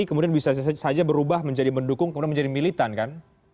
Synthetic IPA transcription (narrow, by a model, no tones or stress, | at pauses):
ikəmudianbisasad͡ʒabəɾubahməɲd͡ʒadipəndukʊŋkəmudianməɲd͡ʒadimilit̪ankan